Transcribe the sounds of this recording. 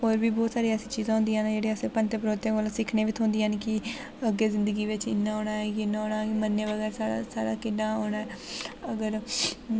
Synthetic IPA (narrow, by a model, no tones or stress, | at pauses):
ɦoːɾbiːbɔːt̪saːɾiːɛːsiːt͡ʃiːzãːɦʊ̃nd̪iːaːnd͡ʒeːɽeːəsepənt̪epɾoːt̪eːkoːlːsɪkʰneːʋɪt̪ʰɦʊ̃nd̪iːankɪ | əɡːeːzɪ̃nd̪əɡiːʋɪt͡ʃɪnːãːoːnaːɛkɪnːãːoːnaːkmənːeːʋəɡɛːɾsaːɾa̰saːɾa̰ːkɪnːaːɦoːnaːɛːəɡəɾ